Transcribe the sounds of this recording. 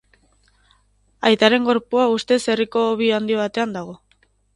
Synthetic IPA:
ajt̪aɾe̞ŋɡo̞ɾpuaust̪e̞se̞riko̞ːβ̞iand̪io̞βat̪e̞and̪aɣ̞o̞

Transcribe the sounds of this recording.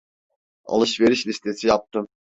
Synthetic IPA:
a̰lˠɯʃve̞ɾiʃlʲist̪ʰe̞sijap̚t̪ʰɯm

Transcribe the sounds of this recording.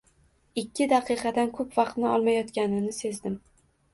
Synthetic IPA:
ɪkʲːɪd̪ɑqʰɨqɑd̪ankʰɵpvɑqt̪nɪɒlˠmajɒt̪kʲanɪnɪse̞zd̪ɪm

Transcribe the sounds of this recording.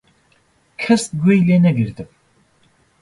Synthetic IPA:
kʰɛst̪̚ɡejleːnɛɡɨɾd̪ɨp

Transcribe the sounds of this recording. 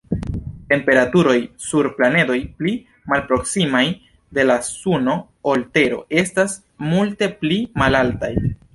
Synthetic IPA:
te̞mpe̞ɾatuɾo̞jsuɾplane̞do̞jpli | malpɾo̞ksimaj | de̞lasuno̞ | olte̞ɾo̞̰e̞stas | multe̞plimalaltaj

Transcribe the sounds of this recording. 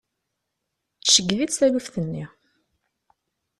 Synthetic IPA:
ʃəɡːðit͡sθælufθənːi

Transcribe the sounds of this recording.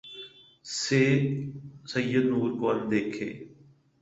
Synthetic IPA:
seː | səjːəd̪nuːɾkand̪eːkʰḛː

